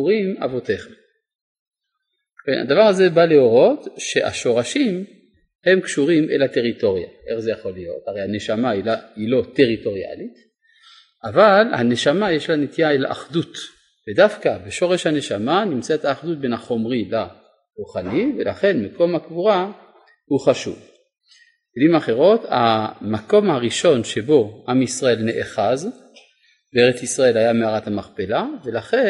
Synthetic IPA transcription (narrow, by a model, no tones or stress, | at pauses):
uʁima̰vo̞te̞χem | kenha̰d̪avaʁaze̞baleo̞ʁo̞tʃe̞ʔa̰ʃo̞ʁaʃim | he̞mkʃuʁimʔḛlate̞ʁito̞ʁija̰ʔe̞χzejaχo̞lijo̞̰taʁejhane̞ʃamailailo̞te̞ʁito̞ʁia̰lit | ʔavalha̰ne̞ʃamajeʃlanetijaela̰ʔaχdut̪ | v̥edafkabeʃo̞ʁe̞ʃhane̞ʃamanimt͡setaːχdut̚be̞naχo̞mʁila | ʁuχanivelaχe̞nmako̞mhakvuʁa | huχaʃṵv | elimaχe̞ʁo̞ta̰mako̞mhaʁiʃo̞nʃe̞bo̞ʔamisʁae̞lneʔeχaz | b̥eeʁet͡sisʁae̞lhajameaʁathamaχpe̞lave̞laχe̞